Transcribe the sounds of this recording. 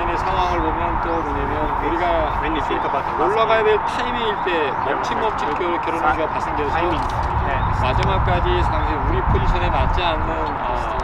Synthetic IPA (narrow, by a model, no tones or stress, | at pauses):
ʌnesʰaŋwɦaɦɯɭbomjʌnt͈omoɲamjʌnuɾiɡaaeit͡ɕʰik͈ʰap͈atʰoɭːaɡadetʰeibeiɭt͈e̞ | ʌt͡ɕʰimːʌp̚t͡ɕʰik͈joɾk͈ʌɾonaʌpas͈eŋdesʰo | ne | mad͡ʑimak̚k͈ad͡ʑisʰaŋɕʰiuɾipʰod͡ʑiɕʰʌnenat̚t͡ɕ͈ianːɯn | ʌ